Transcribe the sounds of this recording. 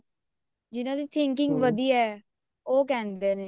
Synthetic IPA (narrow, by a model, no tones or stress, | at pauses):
d͡ʒɪnãːd̪iːt̪ʰɪŋk̬ɪŋɡʋəd̪iːɛː | oːk̬ɛːnd̪eːneː